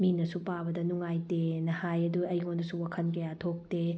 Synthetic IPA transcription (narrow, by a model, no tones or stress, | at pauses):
minɐsupabɐdɐnuŋajtenɐhajɐduɐjŋondusuwakʰɐnkɐjatʰok̚te